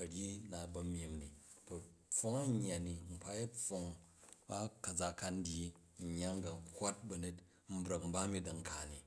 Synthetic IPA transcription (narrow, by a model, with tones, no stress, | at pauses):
ɐ˨ɽʲji˦na˨bɐ˧mji˨mni˨ | bɐ˨p͡fo˦ŋɐ˦ɲː˦a˨ni˨m̩˦pa˦jɐ˦p͡fːo˧ŋ | ba˦kɐ˨d͡za˧ka˦n̩˦dʲi˦˨ | ɲː˦a˦ŋ˦ɡa˨ŋ˦kʷwa˦t̚bɐ˨ne˦t | m̩˦bɾɐ˨km̩˦ba˦mi˦dɐ˨ŋ̩˨kʰa˨ni˨